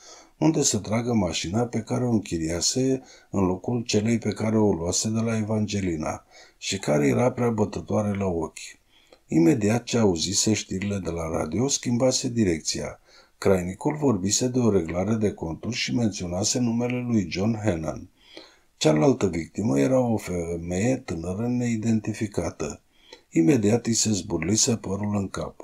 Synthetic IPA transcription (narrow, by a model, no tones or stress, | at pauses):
und̪e̞sət̪ɾaɡəmaʃinape̞kaɾeo̞ɨŋkʲiɾiase̞ɨnlo̞kult͡ʃe̞le̞jpe̞kaɾe̞oluase̞d̪e̞lae̞vand͡ʒe̞lina̰ʃikaɾe̞je̞ɾapɾeabət̪ət̪oaɾe̞lao̞kʲ | ime̞d̪iat̪̚t͡ʃeauzise̞ʃt̪iɾile̞d̪e̞laɾa̰d̪io̞skʲimbase̞d̪iɾe̞k̚t̪sia̰ | kɾajnikulvo̞rbise̞d̪e̞o̞ɾe̞ɡlaɾe̞d̪e̞ko̞nt̪urʃime̞nt̪sio̞nase̞nume̞le̞lujd͡ʒo̞nɦena̰n | t͡ʃalalt̪əvik̚t̪iməje̞ɾao̞feme̞je̞t̪ɨnəɾəne̞id̪e̞nt̪ifikat̪ə | ime̞d̪iat̪jise̞zburlise̞pəɾulɨŋka̰p